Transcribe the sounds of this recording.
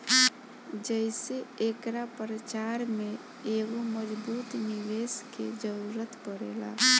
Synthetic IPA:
d͡ʒəɪseekɾapɾət͡ʃaɾme | eɡoməd͡ʒbut̪niʋesked͡ʒəɾuɾət̪pəɾḛla̰

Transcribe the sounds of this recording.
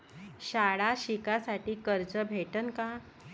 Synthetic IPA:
ɕaɽaɕikasaʈiːkəɾd͡zəbʱeʈənka

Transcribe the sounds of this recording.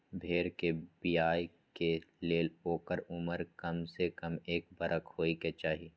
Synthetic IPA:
bʱeːɾkebijaːj | keleːloːkəɾʊməɾkɐmsekɐmeːk̚bɐɾʔəkhoːiket͡ʃaːɦi

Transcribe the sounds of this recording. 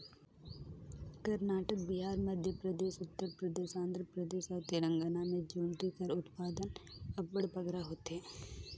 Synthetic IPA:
kɐɾnaːʈək̚biɦaːɾməd̪ʱjəpɾəd̪eːʃʊt̪ːəɾpɾəd̪eːʃãːnd̪ɾəpɾəd̪eːʃat̪ɪɾə̃ŋɡənamẽd͡ʒoːɳt̪ikɐɾʊt̪paːd̪ənɐbbəɽpəɡɾaɦoːt̪ɦeː

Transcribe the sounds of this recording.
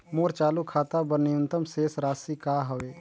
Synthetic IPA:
moːɾt͡ʃaːlukʰaːt̪abəniʊnt̪əmseːsɾaːsikaːɦəʋeː

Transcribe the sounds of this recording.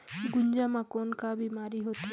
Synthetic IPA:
ɡuɲd͡ʒamakɔnkabimaɾiɦot̪i

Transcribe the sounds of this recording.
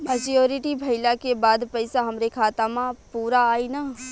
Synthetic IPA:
məd͡ʒijoːɾɪʈibʱɐɪlakebaːd̪pɐɪsaɦɐmɾekʰaːt̪amãpuːɾaːinaː

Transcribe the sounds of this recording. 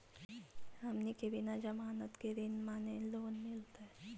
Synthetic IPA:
ɦɐmnikebɪnad͡ʒɐmaːnət̪keɾinmaːneloːnmɪlt̪aɛ

